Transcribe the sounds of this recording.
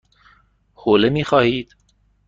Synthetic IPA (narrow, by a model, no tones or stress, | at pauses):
hoːlemiːxɒːhiːd̪̥